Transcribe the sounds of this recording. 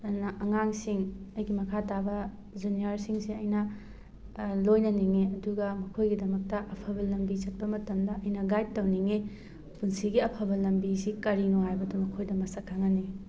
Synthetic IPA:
ɐnɐʔɐŋaŋsiŋɐjɡimɐkʰatabɐ | d͡ʒuniɐɾsiŋsiɐjnɐ | lojnɐniŋeɐduɡɐmɐkʰojɡidɐmɐk̚tɐʔɐpʰɐbɐlɐmbit͡ʃɐt̚pɐmɐtɐmdɐʔɐjnɐɡajd̚tɐwniŋe | punsiɡiɐpʰɐbɐlɐmbisikɐɾinoɦajbɐdɐmɐkʰojdɐmɐsɐkʰːaŋɐni

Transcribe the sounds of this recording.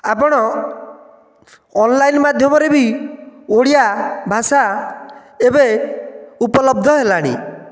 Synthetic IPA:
apɔɽ̃ɔ | nlajnmad̪ʱjɔmɔɾebi | oɽiabʱasa | ebe | upɔlɔb̚d̪ʱɔɦelaɽ̃ḭ

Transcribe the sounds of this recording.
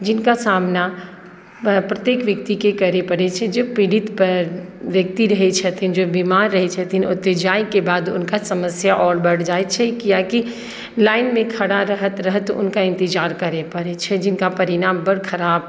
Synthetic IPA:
d͡ʒɪnkasaːmna | pɾɐt̪jeːkʋjək̚t̪ikekəɾepɐɽet͡ʃʰɛd͡ʒopiɽɪt̪pəʋjɐk̚t̪iɾɐɦet͡ʃʰɛt̪ʰind͡ʒobimaːɾːəɦet͡ʃʰɛt̪ʰinʊ̰t̪ːed͡ʒaːikebaːd̪ʊ̰nkasɐməsjaʔɔːɾbɐɽ̤d͡ʒaːet͡ʃʰɛkjaki | laːɪnmẽkʰɐɽaɾəɦət̪ɾəɦət̪ʊ̰nkaɪ̃nt̪ɪd͡ʒaːɾkɐɾepɐɽet͡ʃʰɛd͡ʒɪnkapɐɾɪɽaːmbəɽkʰɐɾaːb

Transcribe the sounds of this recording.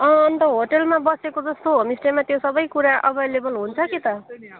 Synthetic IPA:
ʌʌnt̪ʌɦoʈelmabʌsekod͡zʌst̪oɦomisʈemat̪josʌbʌjkuɾaʔʌbʌelebʌlɦunt͡sʰʌkit̪ʌ

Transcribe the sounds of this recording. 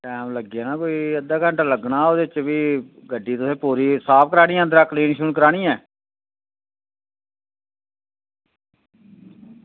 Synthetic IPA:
ʈɛːmləɡaːnaːkoːiːəd̪aːkəɳʈːləɡnaːoːd̪eːɪt͡ʃʋiːɡəɖːiːt̪ʊsẽːpuːɾiːsaːp̚ʰkəɾaːɽ̃iːɛ̃ənd̪əɾaːkliːnʃunkəɾaːɽ̃iːɛː

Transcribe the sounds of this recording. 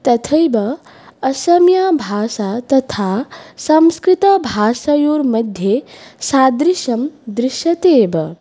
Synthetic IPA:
t̪ɐt̪ʰɐjbɐ | ɐsɐmjaːbʱaːsat̪ɐt̪ʰaːsɐmskɾit̪ɐbʱaːʃɐjuːɾmɐd̪ʱjesaːd̪ɾiʃɐmd̪ɾɪʃɐt̪eːbɐ

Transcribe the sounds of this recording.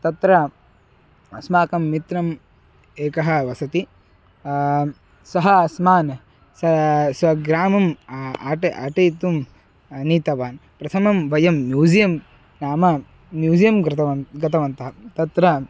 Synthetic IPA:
t̪ɐt̪ɾɐ | ɐsmaːkɐmːit̪ɾɐm | eːkɐɦɐ̆ʋɐsɐt̪i | sɐɦɐɐsmaːn | sɐsʋɐɡɾaːmɐma̰ːʈɐ̰ʈeːt̪um | niːt̪ɐʋaːnpɾɐt̪ʰɐmɐmʋɐjɐmːjuːd͡ʒijɐm | naːmɐ | mjuːd͡ʒijɐmɾɐɡɐt̪ʰɐʋɐnt̪ɐɦɐt̪ɐt̪ɾɐ

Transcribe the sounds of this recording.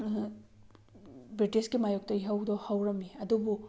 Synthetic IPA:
bɾitisɡimajok̚tɐiɦɐwdɔhɐwɾɐmiɐdubu

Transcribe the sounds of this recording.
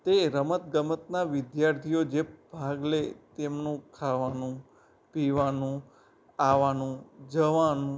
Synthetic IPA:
t̪eɾəmət̪ɡəmət̪naʋɪd̪jaɾt̪ʰijod͡ʒebʱaɡlet̪emnũkʰaʋanũ | piʋanũ | aʋanũd͡ʒəʋanũ

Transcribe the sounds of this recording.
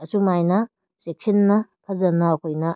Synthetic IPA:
ɐsumajnɐ | sek̚sinːɐpʰɐzɐnɐːkʰojnɐ

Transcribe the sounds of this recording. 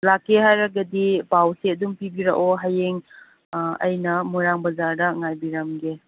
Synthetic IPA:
lakːeɦajɾɐɡɐdibawseɐdumpibiɾa̰ʔoɦajeŋ | ɐ̰jnɐmuɾaŋbɐzaɾdɐŋajbiɾɐmɡe

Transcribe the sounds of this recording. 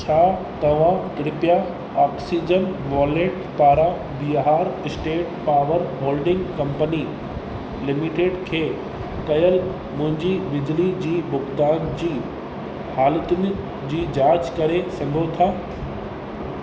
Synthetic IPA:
t͡ɕʰaː | t̪ɐʋ̤ãkɾɪpja | ɔːksiːd͡ʑənʋɔːleːʈ | paːɾa | biɦaːɾɪsʈeːʈ̚paːʋəɾɦoːlɖɪ̃ŋɡkɐ̃mpəni | lɪmɪʈeːɖkʰeː | kɐjəl | mʊ̃ɦɪ̃ɲd͡ʑibɪd͡ʑlid͡ʑiːbʊɡd̪aːnd͡ʑiː | haːlət̪ʊnɪ̆ | d͡ʑiːd͡ʑaːd͡ʑkɐɾesɐɡʱot̪ʰaː

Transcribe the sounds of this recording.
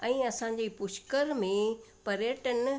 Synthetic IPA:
ɛ̃ːɐsãːɲ̆d͡ʑeːpʊʃkəɾmẽ | pɐɾjeːʈən̆

